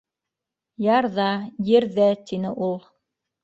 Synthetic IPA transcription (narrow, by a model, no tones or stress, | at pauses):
jɑɾðɑjɘ̆ɾðæt̪inɘʔulˠ